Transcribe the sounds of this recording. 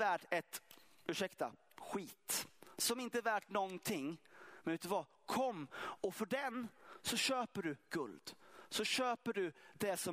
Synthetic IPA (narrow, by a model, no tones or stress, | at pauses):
væːʈɛt̪ʉʂɛkt̪a̰ | ɧiːt̪sɔmɪnt̪əɛvæːʈnɔnt̪ʰɪŋːmɛnʉ̟ːt̪əvɑ | kʰɔmːɔfœɖɛnsɔɕøːpəɖɵɡ̥ɵ̰ld̪̥sɔɕøːpəɖɵd̪̥ɛsɔ